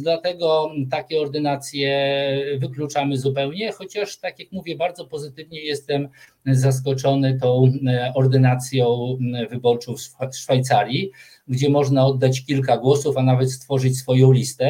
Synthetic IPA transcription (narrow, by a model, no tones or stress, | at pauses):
d̪lat̪ɛɡɔt̪akʲɛɔɾd̪ɘnat̪sʲjɛvɘklut͡ʂamɘzupɛwɲɛxɔt͡ɕaʂt̪akʲjakmuvʲjɛbaɾd̪zɔpɔzɘt̪ɘvɲɛjɛst̪ɛm | zas̬kɔt͡ʂɔnɘt̪ɔ̃w̃ɔɾd̪ɘnat̪sʲjɔ̃w̃vɘbɔɾt͡ʂɔʂfajt̪saɾʲji | ɡd͡ʑɛmɔʐnaɔd̪ːat͡ɕkʲilk̬aɡwɔsufanavɛt̪st̪fɔʐɘt͡ɕsfɔjɔ̃w̃lʲist̪ɛ